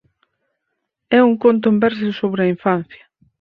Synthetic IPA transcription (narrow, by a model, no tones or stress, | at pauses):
ɛuŋkont̪̬ʊembɛɾs̬ɪsoβɾɪɐiɱfan̟θjɐ